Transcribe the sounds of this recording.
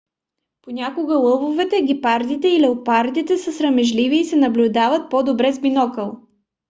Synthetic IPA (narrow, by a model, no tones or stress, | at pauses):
ponʲakoɡəlˠɤvovɛt̪ɛɡʲipaɾd̪it̪ɛilɛopaɾd̪it̪ɛsəsɾəmɛʒliviːsɛnɐblʲʊd̪avət̪̚pod̪obɾɛzbinɔkəlˠ